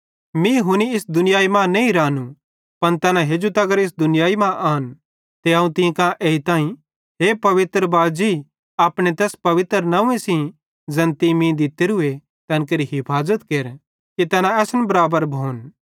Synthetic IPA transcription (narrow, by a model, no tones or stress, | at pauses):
mĩɦʊniɪsd̪ʊnɪjaːimãneĩɾãːnũ | pɐnt̪ɛːnãɦeːd͡ʒut̪ɐɡəɾɪs̬d̪ʊnɪjaːimãʔaːn | t̪eaːũt̪ĩkãʔeːit̪ãːĩ | ɦeːpɐʋɪt̪ɾəbaːd͡ʒi | aːpɽ̃et̪ɛːspɐʋɪt̪ɾənɐũẽsĩ | zɐ̃nt̪imĩd̪ɪt̪eɾʊe | t̪ɐnk̬eɾiɦɪpʰaːzət̪keːɾ | kit̪ɛːnãɛːsənbɐɾaːbəɾbʱoːn